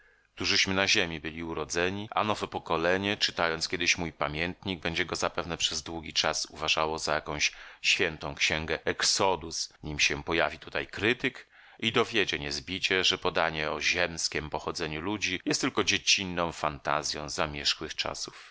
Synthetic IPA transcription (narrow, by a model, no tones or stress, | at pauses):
kt̪uʐɘɕmɘnaʑemʲibɘlʲiuɾɔd̪zɛɲiʔa̰nɔvɛpɔkɔlɛɲɛt͡ʂɨ̥t̪ajɔnt̪skʲjɛd̪ɘɕmujpamʲjɛnt̪ɲiɡ̚bɛɲd͡ʑɛɡɔzapɛvnɛpʂɛzd̪wuɡʲit͡ʂasṵvaʐawɔzajakɔ̃w̃ɕɕfʲjɛnt̪ɔ̃w̃kɕɛŋɡɛɛksɔd̪usɲimɕɛpɔjavʲit̪ut̪ajkɾɘt̪ɘk | id̪ɔvʲjed͡ʑɛɲɛzbʲit͡ɕɛʐɛpɔd̪aɲɛɔʑɛmskʲɛmpɔxɔd̪zɛɲulud͡ʑijɛst̪ːɘlkɔd͡ʑet͡ɕinːɔ̃w̃fant̪a̰zʲjɔ̰̃w̃zamʲjɛʂxwɘxt͡ʂa̰su̥f